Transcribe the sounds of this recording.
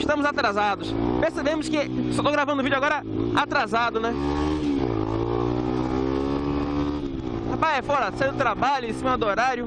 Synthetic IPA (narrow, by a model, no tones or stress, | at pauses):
ɪʃt̪ɐ̃mʊzat̪ɾazad̪ʊspeɾsebẽmʊskɪsot̪oɡɾavɐ̃nd̪ʊvid͡ʒʊaɡɔɾɐat̪ɾazad̪ʊnɛ | hapajɛfɔɾɐsajʊt̪ɾabaʎʊẽsĩmɐd̪ʊoɾaɾjʊ